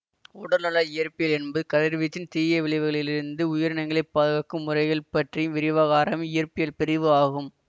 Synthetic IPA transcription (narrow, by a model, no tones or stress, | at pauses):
ʊɽɐɾnɐlɐɪjɐɾpɪjɐlɛnbɐðɯkɐðɪɾʋit͡ʃːɪnt̪iːjɐʋɪɭɪʋɯɣɐɭɪlɪɾɯnd̪ɯʊjɐɾɐnɐɪŋɡɐɭɐɪpːɐðɐɣɐkːɯmːʊrɐɪɣɐɭpɐʈrijɯmʋɪɾɪʋaːɣaːɾɐmɪjɐɾpɪjɐlpɪɾɪʋɯaːɣɯm